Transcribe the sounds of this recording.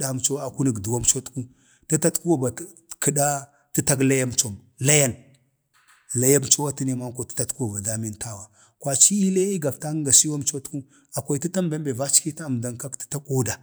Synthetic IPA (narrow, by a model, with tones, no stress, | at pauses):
a˦mt͡ʃo˦a˨ku˦ni˨ɡdu˨wa˦mt͡ʃo˦tku˦ | ta˦ta˦tku˦wa˨ba˨˦ | kə˨da˦ | ti˦ta˦kla˦ja˦mt͡ʃo˨m | la˦ja˦n | la˦ja˦mt͡ʃo˦wa˦ti˦ne˦ma˦ŋ˦ko˨ti̥˦ta˦˨tku˦wa˨ba˨da˦mi˦nta˦wa˨ | kʷa˨t͡ʃi˦i˦la˦i˦ɡa˨bta˦ɡa˨si˦wa˦mt͡ʃo˦tku˦ | a˨kʷa˨i˨ti˦ta˦mbe˦mbe˨va˦t͡ʃki˦ta˦˨m˨da˨ŋka˦kti̥˦ta˦ko˦da˨